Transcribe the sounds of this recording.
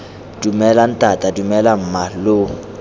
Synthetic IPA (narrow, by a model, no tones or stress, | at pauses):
d̥umɛlan̩tʼatʼadumɛlam̩malʊ